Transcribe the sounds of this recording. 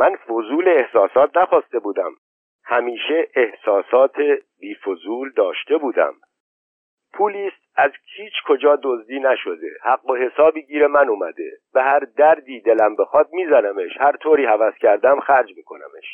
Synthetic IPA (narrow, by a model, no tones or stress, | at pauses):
mænfo̞zuːleːhsɒːsɒːt̪̚ʰnæxɒːst̪e̞buːd̪æ̰m | hæmiːʃe̞ʔehsɒːsɒːt̪ʰebiːfozuːld̪ɒːʃt̪e̞buːd̪æ̰m | pʰuːliːst̪̚æzhʰiːt͡ʃʰkʰo̞d͡ʒɒːd̪o̞zd̪iːnæʃo̞d̪e̞̰hæɡːo̞he̞sɒːbiːɟiːɾemænumæ̰d̪e̞̰b̥e̞hæɾd̪æɾd̪iːd̪e̞læmbe̞xɒːd̪̚miːzænæme̞ʃhæɾt̪ʰoːɾiːhævæscʰæɾd̪æmxæɾd͡ʒmiːkʰo̞næ̰me̞̰ʃ